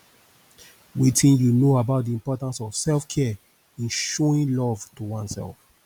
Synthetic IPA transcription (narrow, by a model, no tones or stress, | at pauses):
witʰĩnjunoabaʊt̚diĩmpɔtãnsɔv̥sɛlfkʰɛ | ĩnʃoĩnlɔv̥tʰuwãnsɛ̰lf